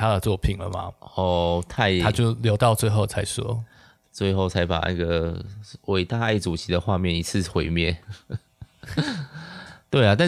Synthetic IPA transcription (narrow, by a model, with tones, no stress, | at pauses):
t̪ʰa˥d̪ə˨t͡swɔ˥˩pʰi˨˩ŋlə̰˩ma̰˩ɔ˥˧˩t̪ʰa˥˩ɪa˥t͡ɕjo˥˨ʊljo˧˥ʊt̪ɑ˥˧ʊt͡swe˥˧ɪxo˥˩ʊt͡sʰa˧ɪʂɔ̰˥ | t͡swe˥˧ɪxo˥˩ʊt͡sʰa˧˦˥ɪpa̰˨˩na˥˧˩ɡə˩we˨˩ɪt̪a˥˧a˥˩ɪʈ͡ʂu˨˩t͡ɕʰi˨˦d̪ə˨xwa˥˧mjɛ˥˨ni˧˥t͡s̩ʰ˥˨xwe˧˦ɪmjɛ˥˨n | t̪we˥˩a˨t̪̬a˥˧